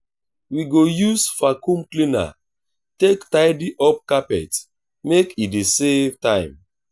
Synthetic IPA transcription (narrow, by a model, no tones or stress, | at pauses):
wiɡojusfakũmklĩna̰ | tektaɪdiʔɔp̚kapɛ̰t | mekidesevtãɪ̃m